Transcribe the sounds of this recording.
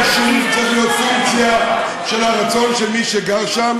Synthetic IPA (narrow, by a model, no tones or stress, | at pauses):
ʃumt͡satjot̪fuŋt͡sja | ʃelaʁat͡so̞nʃelmiʃeɡaʁʃam